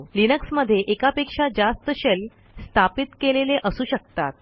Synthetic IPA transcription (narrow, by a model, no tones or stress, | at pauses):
linəksməd̪ʱːjeʔekapekʂad͡ʑast̪əɕel | st̪ʰapit̪keleleʔəsuːɕək̚t̪at̪̚